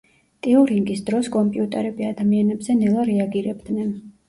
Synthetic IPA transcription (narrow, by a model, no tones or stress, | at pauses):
t̪ʼiuɾiŋɡisd̪ɾɔskʼɔmpʼiut̪ʼɛɾɛbiad̪amianɛbzɛnɛlˠaɾɛaɡiɾɛbd̪nɛn